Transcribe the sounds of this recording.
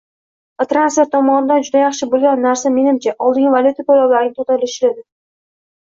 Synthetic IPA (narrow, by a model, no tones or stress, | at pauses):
t̪ɾanseɾt̪ʰːɒmɒnɪd̪and͡ʒʊd̪ajɑχʃɪbolˠɡʲanːaɾsame̞nɪmt͡ʃʰaʔɒlˠd̪ɪŋvalʲjut̪ʰapʰolawlaɾɪnɪt̪ʰot̪aɾɪlɪʃɪlad̪ɪ